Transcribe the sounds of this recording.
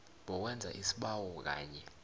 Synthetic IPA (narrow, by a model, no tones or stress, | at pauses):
ɓɔk̬wɛnd͡zʱa̰ʔisi̥ɓawɔk̬a̰ːɲɛ